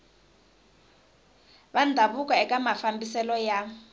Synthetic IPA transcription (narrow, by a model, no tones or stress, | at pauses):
βandʱaβukʼaɛkʼamafambisɛlɔja